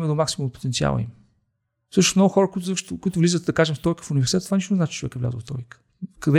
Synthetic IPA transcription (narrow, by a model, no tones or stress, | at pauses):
mɛd̪omaksimũmpo̥t̪ɛnt̪sia̰lˠə̰ḭm | fsɤʃnosmnɔɡʊxɔɾəkʊit̪ʊzəʃt̪ʊkʊit̪ʊvlizət̪d̪ɐkaʒɛmft̪ɔjikə̥fʊnivɛɾsit̪ɛt̪vaniʃt̪ʊnɛznat͡ʃi̥t͡ʃovɛ̰kɛvla̰zəft̪ɔ̰ikə̥ | kɐd̪ɛ